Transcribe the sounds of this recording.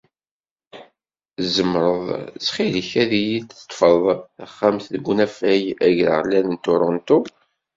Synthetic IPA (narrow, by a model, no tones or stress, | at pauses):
zəmːɾˤəðˤt͡sχiləçæðijit͡sːə̥t̪ˤːfəðˤæχːæmθðɡʷunæfæjæʝlə̰ʁlælənt̪ʊɾˤont̪u